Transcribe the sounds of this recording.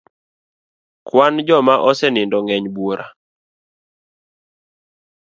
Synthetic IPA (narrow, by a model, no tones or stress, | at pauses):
kwand͡ʒɔmaʔɔsɛnɪndɔŋɛɲbuoɾʔa̰